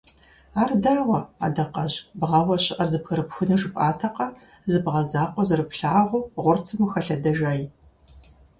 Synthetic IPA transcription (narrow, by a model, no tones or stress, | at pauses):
aːrdaːwɐa̰ːdɐqɐʑbʁɐwɐɕʼɪʔɐrzɨpxɨɾɨpxɨnɨʒɨpʼaːtʰɐqɐ | zɨbʁɐzaːqʷɔzɨrɨpɬaːʁʷʊʁʷʊrt͡sʰɨmɨxɐɬɐdɐʒaːj